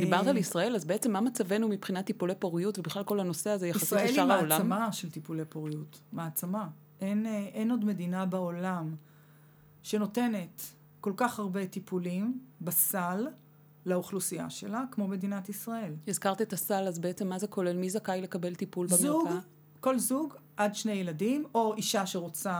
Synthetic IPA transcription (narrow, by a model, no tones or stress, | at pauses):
d̪ibaʁt̪alisʁae̞lazbeet͡semːamat͡save̞numipχinat̪ːipulepoʁijutvebiχlalkolano̞se̞azejaiasielʃaʁaolamaʃelt̪ipulepoʁijutmeːt͡sama | ʔenʔeno̞dme̞dinabaolam | ʃe̞note̞ne̞t | ko̞lkaχhaʁbe̞tipʰulimbasalː | auχlusia̰ʃe̞lakmo̞me̞dinatisʁae̞lizkaʁt̪iet̪asalazbeet͡semːazeko̞lelmizakajle̞kabe̞lt̪ipulbeazmuɡa | ko̞lzuɡʔadʃne̞jeladimo̞iʃaʃeʁot͡sa